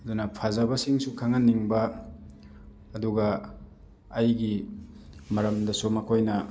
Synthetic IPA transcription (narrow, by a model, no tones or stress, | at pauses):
ɐdunɐpʰazɐbɐsiŋsukʰaŋɐnːiŋbɐ | duɡɐː | jɡi | mɐɾɐmdɐsumɐkʰojnɐ